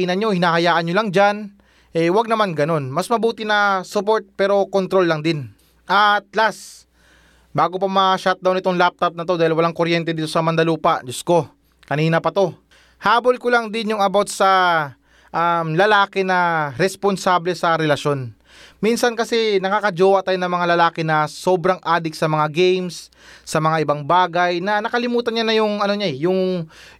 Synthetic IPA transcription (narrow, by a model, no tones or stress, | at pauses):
inɐɲo̞hɪnaːhɐjaːʔɐnɲolaŋd͡ʒan | ʔɛwɐɡ̚nɐmanɡɐno̞nmɐsmɐbuːt̪ɪnɐsʊpo̞ɹt̪̚pɛːɾo̞kont̪ɾo̞lːɐŋd̪ɪn | ʔat̪̚las | baːɡopɐmɐʃat̪̚d̪ɐwnɪt̪oŋlap̚t̪ɐp̚nɐt̪o̞d̪aːhɪlwɐlaŋkoɾjɛnt̪ɛd̪iːt̪o̞sɐmɐnd̪ɐluːpɐʔd͡ʒosko̞ | kɐniːnɐpɐt̪o̞ | haːbo̞lkʊlaŋd̪ɪnjʊŋɐbawt̪̚sɐ | ʔamlɐlaːkɛnɐɾɛsponsaːblɛsɐɾɛlɐʃo̞n | minsɐnkɐsɛnɐkaːkɐd͡ʒoːwɐʔt̪aːjnɐŋmɐŋalɐlaːkɛnɐso̞ːbɾɐŋʔaːd̪ɪk̚sɐmɐŋaɡɛjmsː | ɐmɐŋaʔɪbaŋbaːɡɐjnɐnɐkɐlɪmuːt̪ɐnɲanɐjʊŋɐno̞ɲaɛjʊŋ